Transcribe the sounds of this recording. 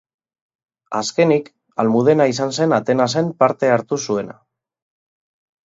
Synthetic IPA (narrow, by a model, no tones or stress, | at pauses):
aske̞nik | almuð̞e̞nais̬anse̞nat̪e̞nase̞mpaɾt̪e̞aɾt̪usue̞na̰